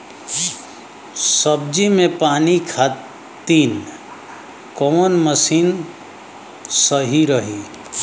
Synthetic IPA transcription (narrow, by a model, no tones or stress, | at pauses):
səb̚d͡ʒimẽpaːnikʰa | t̪ːiːn | kɔnməsiːn | səɦiɾəɦi